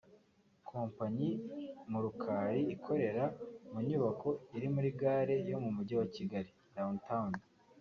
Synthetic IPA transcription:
kʰoːmpaɲimuɾukʰaːɾiikʰo̞ɾe̞ɾamuɲuβakʰo̞iɾimuɾiɡaːɾe̞jo̞mumuɟawaciɡaɾi | ɾauntaundi

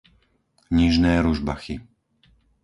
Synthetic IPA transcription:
ɲiʒnɛːɾuʒba̰xi

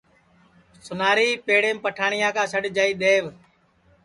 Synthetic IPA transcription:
sʊnaːɾiːpeːɽẽːmpəʈʰaːɳɪjãːkãːsəɖd͡ʒaːiːɗ̪eːʋ

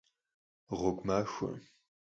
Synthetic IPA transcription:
ʁokʷmaːʂʷɐ̰

